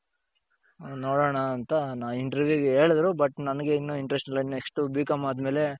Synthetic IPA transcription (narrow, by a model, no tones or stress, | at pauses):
noːɽoːɳɐːnt̪ɐnaːʋiɳʈɐɾʋjuːɡeɦe̞ːɭd̪ɾubɐʈːnɐnɐɡe̞inːuiɳʈɾesʈnɐlːɐinːuekʂʈubiːkɐmaːd̪me̞ːle̞